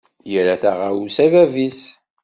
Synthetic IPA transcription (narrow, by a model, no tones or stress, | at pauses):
jəɾæθæʁausævævis